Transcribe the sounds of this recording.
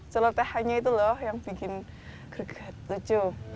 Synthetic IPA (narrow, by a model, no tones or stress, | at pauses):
t͡ʃalɔt̪ɛhaɲait̪ulɔhjaŋb̥i̤kɪn | ɡ̥ərɡ̥a̤t̪̚sət͡ʃo